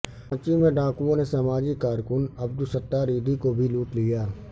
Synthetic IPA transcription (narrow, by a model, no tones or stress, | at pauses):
t͡ʃimẽɖaːkuõnesɐmaːd͡ʒikaːɾkʊnɐb̚d̪ʊsət̪ːaːɾiːd̪ʱikobʱiluːʈlijaː